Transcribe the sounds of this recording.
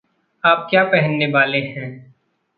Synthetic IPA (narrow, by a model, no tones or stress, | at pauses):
aːp̚kjaːpɛɦənːeʋaːlehɛ̃ː